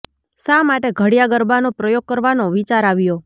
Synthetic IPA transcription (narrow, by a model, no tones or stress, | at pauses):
samaʈeɡʱəɽjaɡəɾbanopɾəjoɡ̚kəɾʋanoʋit͡ʃaɾaʋjo